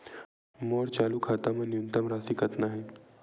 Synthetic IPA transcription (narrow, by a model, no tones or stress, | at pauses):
moːɾt͡ʃaːlukʰaːt̪amɐ̃njunt̪əmɾaːsikɐt̪naɦɛː